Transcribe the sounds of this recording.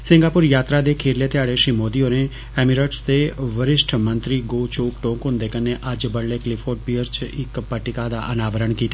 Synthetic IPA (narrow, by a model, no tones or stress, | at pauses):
sɪ̃ŋɡaːpʊɾjaːt̪ɾaːd̪eːkʰeːɾleːt̪ɪaːɽeːʃɾiːmoːd̪ijoːneː | ɛːmɪɾəʈsd̪eːʋəɾɪʃʈʰmə̃nt̪ɾiːɡoːt͡ʃoːkʈõːkɦʊ̃nd̪eːkənːeːʔəd͡ʒbəɽleːklɪpʰoːʈ̚piːəɾt͡ʃɪkpəʈɪkaːd̪a̰ːʔənaːʋəɾəɳkiːt̪aː